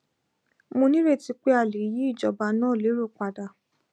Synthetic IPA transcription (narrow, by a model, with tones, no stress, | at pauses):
mo˧nĩ˦ɾe˦˨ti˧k͡pe˦a˦˨le˨˦ji˨˦i˦˨d͡ʒɔ˨ba˧nãː˦˨le˨˦ɾo˦˨k͡pa˨˧da˧˨